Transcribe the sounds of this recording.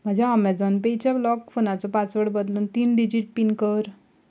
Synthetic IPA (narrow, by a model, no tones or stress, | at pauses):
m̤əd͡ʑaɔmɛd͡zɔnpejt͡ɕablɔkfonat͡sɔpat͡sʋəɽbəd̪luːnt̪iːnɖid͡ʑiʈ̚pinkəɾ